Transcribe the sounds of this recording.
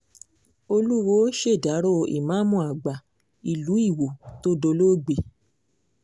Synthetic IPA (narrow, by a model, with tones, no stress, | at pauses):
o˧lu˦wo˦ʃe˦˨da˨˦ɾo˦˧ḭ˨mã˨˦mũ˦˨a˨ɡ͡ba˨ | i˨lu˨˦i˦˨wo˨to˦do˧lo˦ɡ͡be˨